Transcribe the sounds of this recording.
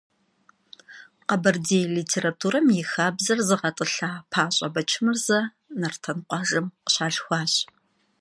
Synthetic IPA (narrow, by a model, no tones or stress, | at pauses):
qɐbɐrdeːjliːtʰeːratʰuːɾɐmjɪxaːbzɐrzɨʁɐtʼɨɬaːpʰaːɕʼɐbɐt͡ʃʰɪmɨrzɐ | nɐrtʰɐnqʷɑːʒɨmqə̥ɕaːɮxʷɑːɕ